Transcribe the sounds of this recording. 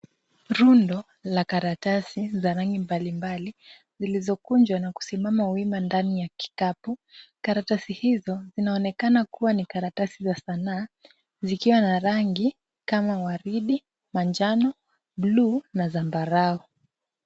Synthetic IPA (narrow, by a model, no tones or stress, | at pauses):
ɾundɔ | lakaɾatasizaɾaŋɡimbalimbali | zilizɔkund͡ʒwanaku̥simamauimandanijaki̥kapukaɾatasihizɔzinaɔnɛkanakuwanikaɾatasizasanaː | zikiwanaɾaŋɡi | kamawaɾiɗi | mand͡ʒanɔ | bluːnazambaɾaɔ